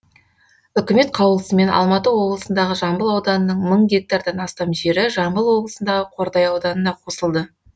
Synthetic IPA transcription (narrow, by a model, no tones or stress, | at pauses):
ʏkʲɪme̞t̪̚qʰɑwəlˠəsəme̞nʔɑ̰lˠmɑt̪əwo̞blˠəsənd̪ɑʁəʒɑmbəlˠɑwd̪ɑnənəɴməɴɡʲe̞k̚t̪aɾd̪ɑnɑst̪ɑmʒe̞ɾɪʒɑmbəlˠwo̞blˠəsənd̪ɑʁəqʰo̞ɾd̪ɑjɑwd̪ɑnənɑqʰo̞səlˠd̪ə